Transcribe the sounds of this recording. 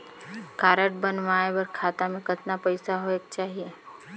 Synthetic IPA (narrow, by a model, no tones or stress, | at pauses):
kaːɾəʈ̚bɐnʋaːebəɾkʰaːt̪amẽkɐt̪napəɪsaɦoek̚t͡ʃaːɦie